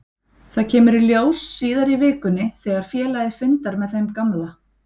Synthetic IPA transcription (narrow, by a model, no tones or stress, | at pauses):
θaðcʰɛːmʏɾiljoːwsːiːðaɾivɪːkʏnːɪθɛɣaɾ̥fjɛːlajðɪfʏnt̪aɾmɛðθejmkamla